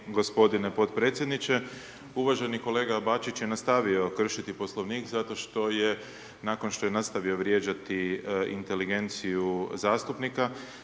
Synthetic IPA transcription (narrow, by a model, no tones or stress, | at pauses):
ɡo̞spo̞d̪inepo̞t̪pɾe̞ːt̪sjed̪nit͡ʃe̞ | uʋaʒeniko̞le̞ːɡabat͡ʃit͡ɕjenast̪aʋio̞kr̩ʃit̪ipo̞slˠo̞ʋniːkzat̪o̞ʃt̪o̞je̞ | nako̞nʃt̪o̞jenast̪aʋio̞ʋɾje̞ːd͡ʒat̪iḭnt̪e̞liɡe̞nt̪sijuzaːst̪upnika